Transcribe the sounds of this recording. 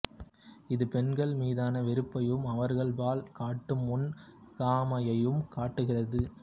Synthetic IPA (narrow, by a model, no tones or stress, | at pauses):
ɪðɯpɛnɡɐɭmiːðaːnɐʋɛɾɯpːɐjɯmɐʋɐɾɣɐɭbaːlkaːʈːɯmːʊn | ɣaːmɐjɐjɯmkaːʈːɯɣɪrɐðɯ